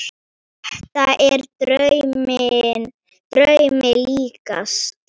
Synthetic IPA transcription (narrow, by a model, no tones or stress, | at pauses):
ɛht̪aʔɛɾ | t̪ɾœɥmɪliːka̰s